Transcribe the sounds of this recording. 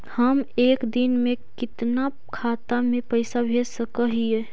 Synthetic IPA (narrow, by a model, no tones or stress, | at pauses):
həmeːkd̪inmekɪt̪na | kʰaːt̪amẽpəɪsabʱesəkəɦije